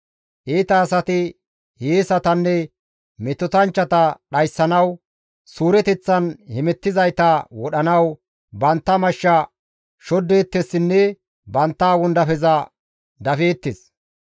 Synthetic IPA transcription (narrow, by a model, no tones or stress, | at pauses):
ʔeːt̪ɐːsɐt̪ɪ | heːsɐt̪ɐnːɛ | mɛt̪ɔt̪ɐnt͡ʃːɐt̪ɐɗɐjsːɐnɐw | suːɾɛt̪ɛt͡sːɐnhɛmɛt̪ːɪzɐjt̪ɐwɔɗɐnɐw | bɐnt̪ːɐmɐʃːɐ | ʃɔd̪ːe̞ːt̪ːesːɪnːɛ | bɐnt̪ːaːwɔnd̪ɐfɛzɐ | d̪ɐfe̞ːt̪ːes